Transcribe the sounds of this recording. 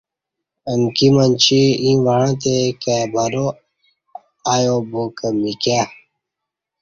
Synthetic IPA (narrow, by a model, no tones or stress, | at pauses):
əŋkimənt͡ɕiĩːʋaɻãːt̪ekabʱaɾo | aːjoboːkəmikaː